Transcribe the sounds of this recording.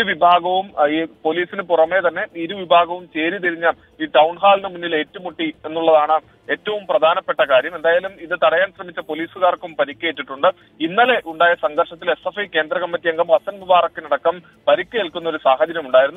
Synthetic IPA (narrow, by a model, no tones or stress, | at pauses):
uʋibʱaːɡɐʋumipo̞ːliːsinɨpurɐme̞ːt̪ɐnːe̞iɾuʋibʱaːɡɐʋumt͡ɕe̞ːɾit̪iɾiɲːɐ | iːʈɐwɳɦaːlnɨmunːile̞ːtːumoʈːie̞nːuɭːɐðaːɳɨ | e̞ːtːɐʋumprɐd̪ʱaːnɐpːe̞ʈːɐkaːɾjɐme̞nd̪aːjaːlumiðɨt̪ɐɽɐjaːnɕrɐmit͡ɕːɐpo̞ːliːsuɣaːrkːumpɐɾikʲːeːʈːiʈːuɳɖɨ | inːɐle̞ʔuɳɖaːjɐsɐŋɡɐrʂɐt̪ːile̞sefɐjke̞ːnd̪ɾɐɣɐmːɐt̪ːijɐŋɡɐmʋɐsɐnʋibaːɾɐkːɨnɐɽɐkːɐm | pɐɾikʲːɐeɭkːunːɐoɾusaːxɐd͡ʑɐɾjɐmuɳɖaːjiɾunːu